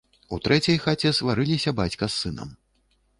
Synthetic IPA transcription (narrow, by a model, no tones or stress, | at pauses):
ut̪ɾʔɛt͡sʲɐjxat͡sʲɛsvaɾɨlʲisʲɐbat͡sʲkɐsːɨnɐ̰m